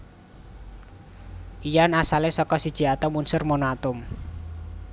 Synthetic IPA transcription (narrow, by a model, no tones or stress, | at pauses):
ʔijanasalesɔkɔsid̥ʒ̥i̤at̪ɔmunsʊrmonat̪ʊm